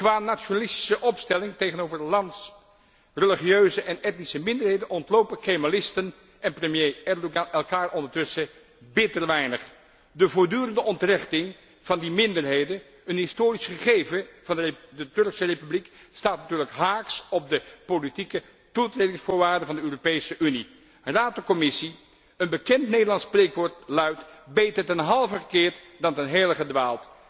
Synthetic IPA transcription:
kʋaːnat͡ʃonalɪsti̥səʔɔpstɛlɪŋtejχənowvəɹlɑnts | rəliχiøɥzəʔɛnɛtnisəmɪndəɹɦejdənɔntlowpəkejmalɪstən | ʔɛnprəmjejɛɹdoɡɑnʔɛlˠkaːɹʔɔndəɹtɵsə | bɪtəɹʋɛjnəχ | dəvʊːɹdyːɾəndəʔɔntrɪχtɪŋ | v̥ɑndimɪndəɹɦejdən | ənɦɪstoːɾisχəχejvəv̥ɑndədətɵɹksərepyblikstaːtnatyːɹləkɦaːksɔb̚dəpolitikə | tutredɪŋsfʊːɹʋaːɹdənvɑndəøːropejsəʔyni | raːtəkɔmɪsi | ənbəkɛntnejdəlɑnsprejkʋoːtlœɥtbejtəɹtɛnɦɑlˠvəχəkɪːɹt | dɑntɛnɦejləχədʋaːlˠt

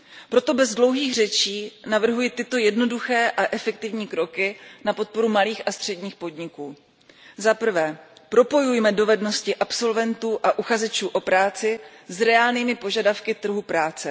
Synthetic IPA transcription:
pɾo̞t̪o̞bɛzdlo̞wɦiːɣr̝ɛt͡ʃiːnavr̩ɦujɪt̪ɪt̪o̞jɛdno̞duxɛːʔaʔɛfɛk̚t̪ɪvɲiːkɾo̞kɪnapo̞t̪̚po̞ɾumaliːxʔast̪r̥ɛdɲiːxpo̞dɲɪkuː | zapr̩vɛːpɾo̞po̞jujmɛdo̞vɛdno̞scɪʔapso̞lvɛnt̪uːʔaʔuxazɛt͡ʃuːʔo̞pɾaːt͡sɪ | zɾɛaːlniːmɪpo̞ʒadafkɪt̪r̩ɦupɾaːt͡sɛ

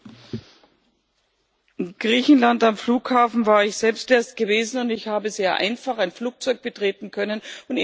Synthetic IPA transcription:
ɪɡ̥ʁiːçn̩lantamfluːkhaːfn̩vaːɐɪçz̥ɛlpstʔeːɐst̚ɡ̥əveːzn̩ʊndɪçhaːbəzeːɐʔa̰ɪnfaχaɪnfluːk̚t͡sɔʏk̚b̥ətʁ̥eːtn̩kʰœnənʊnt

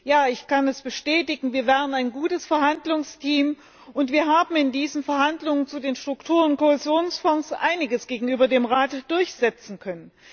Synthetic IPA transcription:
jaːɪçkanɛsb̥əʃtɛːtɪɡŋ̩viːɐvɛːʁ̞ənaɪnɡuːtəsfɛɐɦhandlʊŋstʰiːm | ʔʊntv̥iːɐɦaːbm̩ɪndiːzənfɛɐhandlʊŋənt͡sudeːnʃtʁ̥ʊktʰuːʁ̞ənkohɛzjoːnsfɔŋsʔa̰ɪnɪɡəsɡ̥eːɡŋ̩ʔyːbɐdeːmʁaːtd̥ʊɐçz̥ɛt͡sn̩kʰœnən

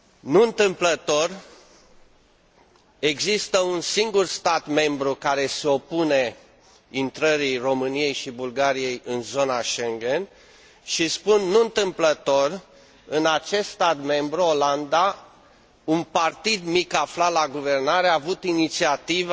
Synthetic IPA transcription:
nuɨnt̪ɨmplət̪o̞r | e̞ɡzist̪əunsiŋɡurst̪at̪me̞mbɾukaɾe̞se̞o̞pune̞ | int̪ɾəɾiro̞mɨnije̞jʃibulɡaɾije̞jɨnzo̞naʃe̞ŋɡe̞n | ʃispunːuɨnt̪ɨmplət̪o̞r | ɨnat͡ʃe̞st̪st̪at̪me̞mbɾuoland̪a | unpart̪id̪mikaflalaɡuve̞rnaɾeaːvut̪init̪siat̪iv

